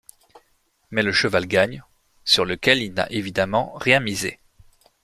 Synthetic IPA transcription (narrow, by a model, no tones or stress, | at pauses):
mɛləʃəvalɡaɲ | syʁləkʲɛlilna̰ʔevid̪amɑ̃ʁjɛ̃mizḛ